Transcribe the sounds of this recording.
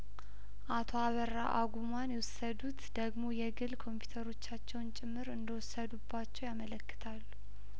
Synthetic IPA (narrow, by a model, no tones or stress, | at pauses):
ʔat̪ʰo̞aβərːa̰ʔaɡumanjɛwɔsːəd̪ut̪d̪̥əɡmo̞jɛɡɨlkʰo̞mpʰju̥t̪ʰəɾo̞t͡ʃːat͡ʃːɛwnt͡ʃʼɪmːɨɾɨnd̪əwʊsːəd̪ubːat͡ʃːɛwjamələkːɨ̥t̪ʰalː